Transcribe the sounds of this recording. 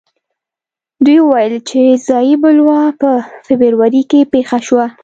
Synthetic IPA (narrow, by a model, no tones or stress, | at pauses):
d̪ujwəwajəlt͡ʃezɑjibʊlwɑpəfɪbəɾwaɾikepexaʃwa